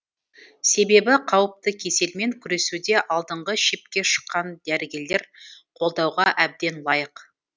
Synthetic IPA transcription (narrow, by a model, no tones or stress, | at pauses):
se̞be̞bɪqʰɑwəp̚t̪əkʲʰe̞se̞lme̞ŋkʲʰʏɾe̞sud̪e̞ʔɑlˠd̪əɴʁəʃe̞p̚kʲe̞ʃə̥qːɑnd̪̥æɾɪɡʲe̞le̞ɾqʰo̞lˠd̪ɑwʁɑʔæb̚d̪e̞nlˠɑjəq